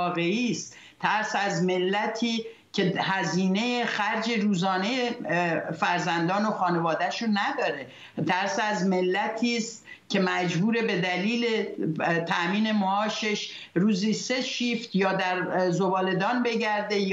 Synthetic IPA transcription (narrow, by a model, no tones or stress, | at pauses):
ɣe̞iːst̪ | t̪ʰæɾsæzmelːæt̪ʰiː | cʲʰe̞hæziːne̞jexæɾd͡ʒe̞ɾuːzɒːne̞jefæɾzænd̪ɒːnoxɒːne̞vɒːd̪æʃonæd̪ɒːɾe | t̪ʰæɾsæzme̞lːæt̪ʰiːst̪cʲʰe̞mæd͡ʒbuːɾe̞be̞d̪æliːlet̪ʰæmiːne̞moɒːʃeʃ | ɾuːziːse̞ʃiːft̪jɒːd̪æɾzo̞bɒːle̞d̪ɒːnbe̞ɟæɾd̪e̞j